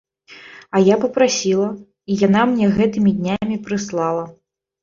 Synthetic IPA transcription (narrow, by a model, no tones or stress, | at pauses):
ɐjapɐpɾasʲilˠɐ | ijanamnʲɛɣɛt̪ɨmʲid̪ʲnʲamʲipɾɨslˠalˠɐ